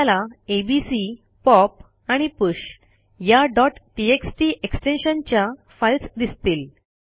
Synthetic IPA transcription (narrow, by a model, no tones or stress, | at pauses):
alaebisi | pɔp̚ | aɽ̃ipəɕ | jaɖɔʈːieksʈiʔeksʈenɕənt͡ɕja | fajlsd̪ist̪iːl